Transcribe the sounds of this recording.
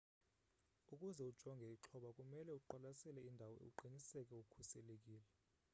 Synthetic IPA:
ukʼuzɛud̥ʒ̥ʱɔŋɡʱɛiǁʰɔɓakʼumɛlɛuǃalasɛlɛindʱawɔḛuǃinisɛk̬ʼɛukʰusɛlek̬ʼiːlɛ

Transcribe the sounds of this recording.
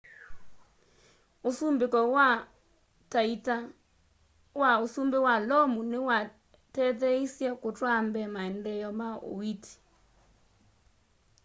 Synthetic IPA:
osumbekɔa | taita | waosumbewalɔmunewa | tɛðɛisjakotwambɛmaɛndɛjɔmaʔo̰witi̥

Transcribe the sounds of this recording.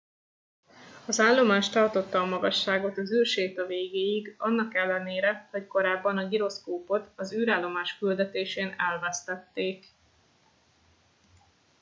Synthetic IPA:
ɒzaːlːo̞maːʃt̪ɒrt̪o̞t̪ːɒːmɒɡɒʃːaːɡo̞t̪ɒzyːrʃeːt̪ɒveːɡeːjiɡɒnːɒkɛlːɛneːɾɛho̞cko̞ɾaːbːɒnɒɡiɾo̞skoːpo̞t̪ɒzyːɾaːlːo̞maːʃkyld̪ɛt̪eːʃeːnɛlvɛst̪ɛt̪ːeːk

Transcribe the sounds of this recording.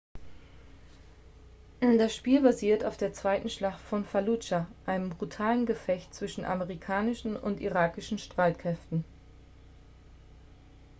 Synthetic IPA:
dasʃpiːlbaziːɐtaʊfd̥eːɐt͡sv̥aɪtn̩ʃlaχtfɔnfalut͡ʃaʔaɪnəmbʁutʰaːlənɡəfɛçtt͡sv̥ɪʃn̩ʔa̰məʁikʰaːnɪʃn̩ʊ̰ntḭʁaːkɪʃn̩ʃtʁ̥aɪtkʁ̥ɛftn̩

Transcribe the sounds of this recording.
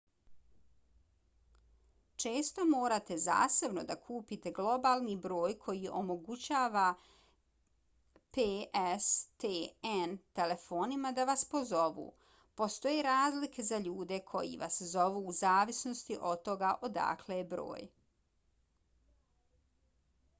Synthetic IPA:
t͡ʃe̞ːst̪o̞mo̞ːɾat̪e̞za̰ːsabno̞d̪akʰuːpit̪e̞ɡlˠo̞baːlˠnibɾo̞ːjkʰo̞jiʔo̞mo̞ɡut͡ɕaːʋa | peʔest̪eent̪e̞le̞fo̞ːnimad̪aʋaspo̞zo̞ʋṵː | po̞st̪o̞jeɾaːzlike̞zaʎuːd̪e̞kʰo̞̰jḭʋa̰szo̞ʋuːzaːʋisno̞st̪iʔo̞d̪̚t̪ːo̞ɡaʔo̞d̪a̰kʰleebɾo̰ːj

